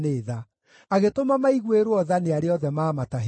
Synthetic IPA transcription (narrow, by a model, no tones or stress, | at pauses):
neːða | aɣetomamaiɣweɾwɔðaneaɾeɔðɛmaːmataɦ